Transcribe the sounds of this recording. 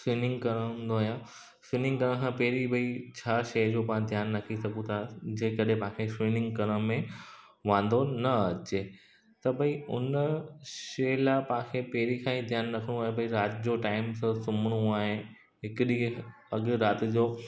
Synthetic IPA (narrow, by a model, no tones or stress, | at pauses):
siːnɪ̃ŋɡkɐɾə̃nd̪oɦjaː | siːnɪ̃ŋɡkɐɾə̃kʰãːpɛɦɾibʱɐit͡ɕʰaːʃɐd͡ʑoːpɐãd̪ʱjaːnːɐkʰisɐɡũt̪ʰad͡ʑeːkɐɗɦẽpãɦãkʰesiːnɪ̃ŋɡkɐɾə̃mẽ | ʋãːn̆d̪onɐɐt͡ɕeː | t̪ɐbʱɐiʊ̰nəʃɐlapɐãkʰepɛɦɾikʰãːĩd̪ʱjaːnːɐkʰɪɽ̃ũaːɦebʱɐiɾaːt̪ɪd͡ʑoʈaːɪmsəsʊməɽ̃uaːɦe | ɦɪkɗi | ɐɡɾaːt̪ɪd͡ʑoː